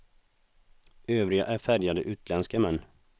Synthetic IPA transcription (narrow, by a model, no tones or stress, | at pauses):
øːvɾɪɡaʔæɾfæɾjad̪əʔʉ̟ːt̪lɛnskəmɛnː